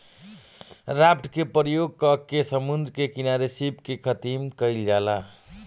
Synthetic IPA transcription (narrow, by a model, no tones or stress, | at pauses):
ɾapʈkepɾjoɡ̚kəkːesəmund̪ɾkekinaɾesipkekʰət̪imkəld͡ʒala